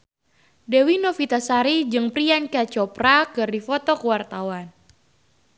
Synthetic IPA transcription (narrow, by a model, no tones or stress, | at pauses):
dɛwinofit̪asaɾid͡ʒɨŋpɾiankat͡ʃɔpɾakɨrdifɔt̪ɔkəwart̪awan